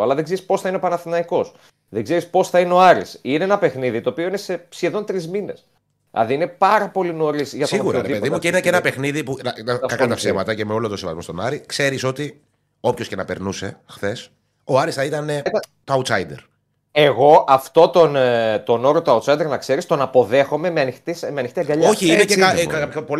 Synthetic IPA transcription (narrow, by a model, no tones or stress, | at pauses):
ɐ̰lɐðeɡzeɾispo̞sθɐineo̞pɐnɐθinɐiko̞s | ðeɡze̞ɾispo̞sθɐineo̞ɐɾisine̞enɐpe̞xniðit̪oːpio̞ine̞se̞sçe̞ðo̞nt̪ɾizmine̞̰s | ɐ̰ðiine̞pɐɾɐpo̞lino̞ɾisʝɐt̪siɣuɾɐɾeðipeðimmueineceenɐpe̞xniðipunɐnɐkɐkɐt̪ɐfsemɐt̪ɐcemeo̞lot̪osevɐ̰zmo̞st̪onɐɾikse̞ɾiso̞t̪i | o̞pçoce̞nɐpeɾnuse̞̰xθe̞s | oɐɾist̪ɐit̪ɐne̞t̪ɐt̪oɐut̪sɐjd̪eɾ | eɣo̞ʔɐft̪o̞t̪ont̪o̞no̞ɾot̪oɐut̪sɐjd̪e̞ɾnɐkse̞ɾist̪o̞nɐpo̞ðe̞xo̞me̞meɐnixt̪ismeɐnixt̪iɐɡɐʎoçiineceɐpo